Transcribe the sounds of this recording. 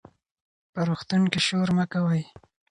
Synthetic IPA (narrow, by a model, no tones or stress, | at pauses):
pəɾoxt̪unkiʃoɾmakawəj